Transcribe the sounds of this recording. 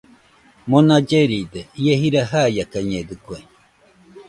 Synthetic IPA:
mõnad͡ʒeɾid̪eieɦiɾaɦajakaɲẽd̪ɯkue

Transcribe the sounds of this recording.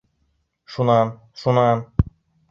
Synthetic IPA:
ʃunaːn | ʃunaːn

